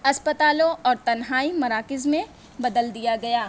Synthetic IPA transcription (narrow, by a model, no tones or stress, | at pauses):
ɐspət̪aːlõʔɔːɾt̪ɐnɦaːimɐɾaːkɪzmẽ | bɐd̪əld̪ijaɡɐjaː